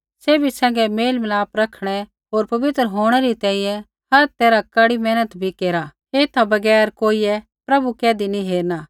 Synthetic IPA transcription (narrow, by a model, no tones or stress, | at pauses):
seːbʱisɛ̃ːŋɡɛmeːlmlaːpɾɐkʰɽ̃ɛ | ɦoːɾpɐʋɪt̪ɾəɦoːɽ̃ɛɾit̪ɛ̃ːĩjɛ̃ | hɐɾt̪eːɾakɐɽimɛːnət̪bʱikeːɾa | eːt̪abɐɡɛːɾkoːiɛ | pɾɐbukɛːd̪iniɦeːɾnaː